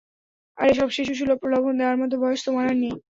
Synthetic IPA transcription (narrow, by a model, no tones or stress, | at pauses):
a̰ɾeʃ̬ɔbʃeʃ̬uʃ̬ulopɾolobʱond̪eoaɾmɔd̪ʱobɔjost̪ʰomanaɾni